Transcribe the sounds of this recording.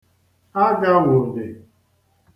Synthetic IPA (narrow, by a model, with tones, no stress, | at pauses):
a˦ɡa˦ŋʷʊ˨n̩˨dɪ˨